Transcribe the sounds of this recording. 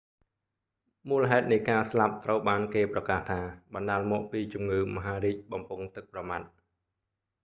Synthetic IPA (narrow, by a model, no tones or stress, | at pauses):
muːləɦaɛt̪̚nɨjkaːslap̚t̪rəwɓaːnkeːprɑkaːht̪ʰaːɓɑnɗaːlmɔːʔpiːt͡ɕumŋɨːmɔɦaːɾiːc̚ɓɑmpʊŋt̪ɨk̚prɑmat̪̚